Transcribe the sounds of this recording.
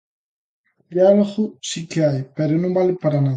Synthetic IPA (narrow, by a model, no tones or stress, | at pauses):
d̪jaloɣusikeajpeɾonõmbalepaɾana